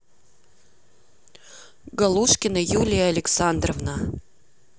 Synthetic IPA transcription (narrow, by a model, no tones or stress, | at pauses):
ɡɐlˠuʂkʲɪnəjulʲɪjəɐlʲɪksand̪rəvna